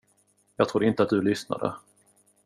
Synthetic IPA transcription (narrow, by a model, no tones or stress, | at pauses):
jɑːɡt̪ʰɾuːd̪əɪnt̪əat̪̚d̪ɵlʏsna̰d̪ə̰